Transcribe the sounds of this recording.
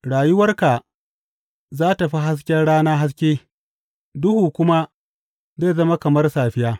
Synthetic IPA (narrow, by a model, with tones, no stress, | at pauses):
ɽaː˨jʊ˦wɐ˦rka˨ | zaː˦ta˨ɸi˦ɦa˦s̬kʲɛ˦ɽaː˦naː˦ɦa˦s̬kʲeː˦ | dʊ˦huː˨kʷʊ˦ma˦ | zeː˦˨zɐ˦ma˦kɐ˨mɐ˦rsaː˨ɸɪ˦jaː˦